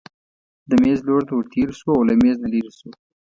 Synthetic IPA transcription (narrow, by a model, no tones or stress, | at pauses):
d̪əmezloɽt̪awəɾt̪eɾsuawlameznaliɾisu